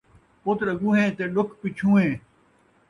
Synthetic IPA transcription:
pʊt̪ləɡũːɦẽːt̪eːlʊkʰpɪt͡ʃʰũːɦẽː

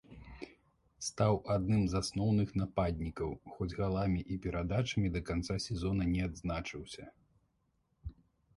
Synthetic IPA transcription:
st̪awad̪nɨmzasnɔwnɨxnapad̪ʲnʲikɐwxɔd͡zʲɣalˠamʲiʔipʲɛɾad̪at͡ʂɐmʲid̪ɐkant̪sasʲɛzɔnɐnʲɛad̪znat͡ʂɨwsʲɐ

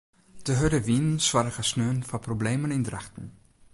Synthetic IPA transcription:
dəɦødəʋinənswaɾəχəsnøːnfɑprobleːmənɪndraχtən̩

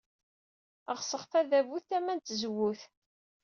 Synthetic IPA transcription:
əʁsəχθæðævuθæmːænt̪zwːuθ

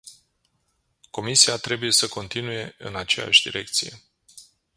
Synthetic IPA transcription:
ko̞misiat̪ɾe̞buje̞səko̞nt̪inuje̞ɨ̰nat͡ʃe̞ja̰ʃʲd̪ḭɾʔe̞k̚t̪sije̞̰

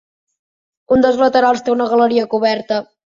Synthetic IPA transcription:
und̪əlˠzlət̪əɾalˠst̪eunəɣələɾiəkuβɛɾt̪ə

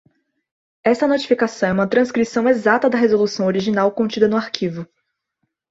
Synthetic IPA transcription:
ɛst̪ɐnot͡ʃi̥fikasɐ̃w̃ɛũmɐt̪ɾɐ̃skɾisɐ̃w̃ezat̪ɐd̪ɐɦezolusɐ̃w̃oɾiʒinawkõnt͡ʃid̪ɐnʊaɾkʰivʊ

